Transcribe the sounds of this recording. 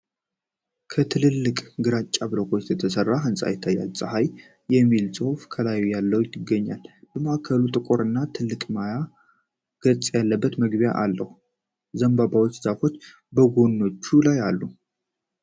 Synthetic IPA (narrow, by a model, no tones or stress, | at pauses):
kʰət̪ʰɨlɨlːɨkʼɡɨɾat͡ʃʼːaβɨləkʰʼo̞t͡ʃːjɛt̪ʰəsərːaɦɨnsʼa̰jɪt̪ʰːajːa̰lsʼəɦaj | jɛmːilsʼɨhfkʰəlajujalːəwjjɪɡːəɲːa̰lb̥əmaʔakʰəlut̪ʼɨkʼo̞ɾɨnːat̪ʰɨlːɨkʼmaja | ɡ̥ət͡sʼjalːəbːət̪məɡbja̰ʔalːəhu | zəmbabawot͡ʃːz̥afo̞t͡ʃː | bəɡo̞nːo̞t͡ʃːulajalːu